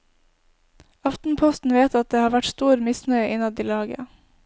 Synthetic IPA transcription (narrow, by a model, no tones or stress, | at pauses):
ɑft̪n̩pʰɔst̪n̩ʋeːt̪ɑt̪̚d̪eːhɑːʋæʈst̪uːɾmɪsnœʏʔɪnɑd̪iːlɑːɡə̰